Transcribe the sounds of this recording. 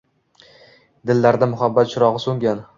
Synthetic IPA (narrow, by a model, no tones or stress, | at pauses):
d̪ɪlːaɾd̪amʊɦabːat̪ʃʊɾɒʁɨsoŋɡʲan